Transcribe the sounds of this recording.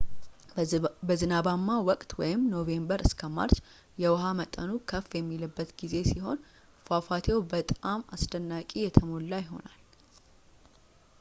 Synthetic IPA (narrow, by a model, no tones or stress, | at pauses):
bəzɨnabamːawɔkʼt̪wɔjɪmno̞ve̞mbəɾʔɨskʰəma̰ɾt͡ʃ | jɛwɦamət̪ʼːənukʰəfjɛmːilɨbːət̪ɡize̞siɦo̞̰n | fafat̪ʰewbət̪ʼamasd̪ənːakʼijɛt̪ʰəmo̞lːajɪɦo̞̰nal